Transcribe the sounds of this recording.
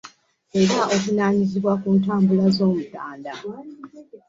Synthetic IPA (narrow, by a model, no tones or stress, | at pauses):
e̞ɾaʔokunaːɲiziβwakuːntaːmbulazo̞ːmutaːnda